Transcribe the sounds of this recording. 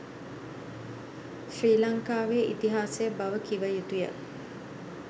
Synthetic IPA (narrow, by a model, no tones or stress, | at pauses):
ʃriːlaŋkaːʋeːʔḭt̪iɦaːsejəbaʋəkiʋəjut̪ujə̰